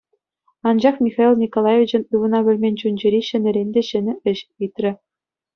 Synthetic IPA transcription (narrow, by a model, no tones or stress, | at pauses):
ɑnd͡ʑɑχmʲixɑilʲˠnʲikolˠɑjevʲit͡ɕɘ̆nɯʋɤ̆nɑβʲɘ̆lʲmʲenʲt͡ɕunʲd͡ʑɘ̆ɾʲiɕɘ̆nʲɘ̆ɾʲenʲd̪ʲeɕɘ̆nʲɘ̆ɘ̆ɕit̪ʲrʲɘ̆